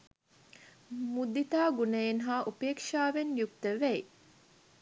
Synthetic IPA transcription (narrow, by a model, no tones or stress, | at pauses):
mud̪it̪aːɡuneːnɦaːʔupeːkʂaːʋenjuk̚t̪əʋæi